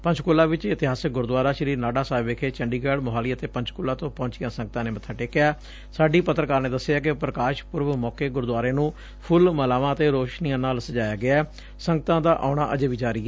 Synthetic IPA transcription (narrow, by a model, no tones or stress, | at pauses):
pə̃ɲt͡ʃʰkoːlãːʋɪt͡ʃɪt̪ɪɦaːsɪk̚ɡʊɾd̪waːɾaːʃɾiːnaːɖaːsaːɪbeːkʰeːt͡ʃəɳɖiːɡɛːɖməɦaːliːət̪eːpəɲt͡ʃkʊːlːãːt̪õːpõːɲt͡ʃɪjãːsə̃ŋɡ̚t̪ãːneːmət̪ʰːaːʈeːkɪjaː | saːɖiːpət̪ɾəkaːɾneːd̪əsːeaːkɪpɾəkaːʃpʊɾʋmɔːkeːɡʊɾd̪ʊaːɾeːnũː | pʰʊlməlaːʋãːət̪eːɾoːʃniːãːnaːlsəd͡ʒaːjaːɡɪaɛː | sə̃ŋɡət̪ãːd̪aːʔa̰ːɳ̃aːʔə̰d͡ʒeːʋiːd͡ʒaːɾiːɛː